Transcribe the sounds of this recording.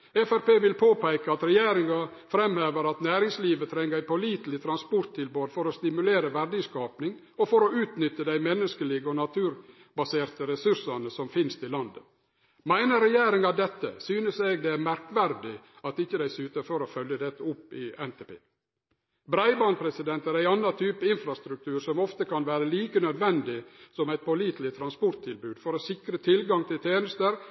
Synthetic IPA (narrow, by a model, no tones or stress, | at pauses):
ɛfæɾpeːʋɪlpʰoːpæɪkəɑt̪ɾɛjeːɾɪŋɑfɾɛmheːʋəɾɑt̪næːɾɪŋsliːʋət̪ʰɾɛŋːəæɪpʰɔliːt̪l̩ɪt̪ʰɾɑnspɔɾt̪ʰːɪlboːd̪fɔɾɔst̪ɪmʉleːɾəʋæɾɖɪskɑːpnɪŋ | ɔfɔɾɔʉːt̪nʏt̪ːəd̪æɪmɛnːəskəliːɡəɔnɑt̪ʰʉːɾ | bɑseːɾt̪əɾɛsʉʂɑnəsɔmfɪnst̪ʰɪlɑnd̪ə | mæɪnəɾɛjeːɾɪŋɑd̪ɛt̪ːə̰syːnəseːɡd̪ɛæɾmæɾkʋæɾd̪ɪ | ɑt̪ɪçːəd̪æɪsʉːt̪əɾfɔɾoːfœljəd̪ɛt̪ːəʊpːɪɛnt̪ʰɛpḛː | bɾæɪbɑːnpʰɾɛsɪd̪ɛnt̪æɾæɪɑnːɑt̪ʰyːpəɪnfɾɑst̪ɾʉk̚t̪ʰʉːɾsɔmɔft̪əkʰɑnʋæːɾəliːkənœd̪ʋɛnd̪ɪsɔmæɪt̪̚pʰɔliːt̪lɪt̪ʰɾɑnspɔɾt̪t̪ʰɪlbʉːd̪fɔɾoːsɪkɾət̪ʰɪlɡɑŋt̪ʰɪlt̪ʰeːnəst̪əɾ